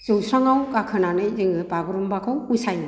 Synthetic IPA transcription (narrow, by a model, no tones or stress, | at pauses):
z̥ɯwsɾaŋawkakʰɯnanɯjzɯŋɯbaɡɾumbakʰawusaj